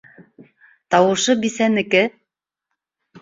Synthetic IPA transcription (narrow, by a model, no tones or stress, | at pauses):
t̪ɑwɤ̆ʃɤbisænɘ̆kɘ